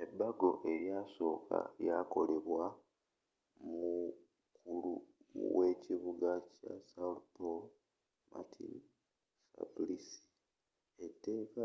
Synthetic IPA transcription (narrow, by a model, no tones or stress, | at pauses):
e̞bːaɡo̞ʔe̞ɾjaso̞ːka̰jako̞le̞βwa | mu | kulṵwe̞ciβuɡaca̰salpo | mʔa̰tʰḭn | sa̰plisi̥ | e̞tːe̞ːka